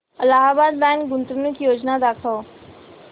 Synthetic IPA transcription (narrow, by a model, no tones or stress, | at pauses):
əlaɦabad̪̚bãnɡunt̪ɾunukjod͡ʑnad̪akʰaʋ